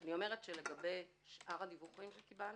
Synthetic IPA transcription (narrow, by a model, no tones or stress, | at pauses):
anio̞me̞ʁetʃele̞ɡabe̞j | ʃʔaʁad̪ivuχimʃekibal